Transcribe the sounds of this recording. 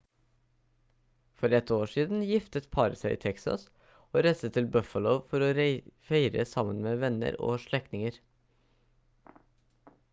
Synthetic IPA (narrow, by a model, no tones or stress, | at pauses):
fɔɾɛt̪oːʃiːd̪n̩jɪft̪ət̪pʰɑɾəsæɪʔḭːt̪ʰɛksɑ̰s | oːɾæɪst̪ət̪ʰːɪlbœfəlɔʊfɔɾoːɾfeɪɾə̰sɑmənmeːʋɛnə̰ɾo̰ːʃɭɛktnɪŋəɾ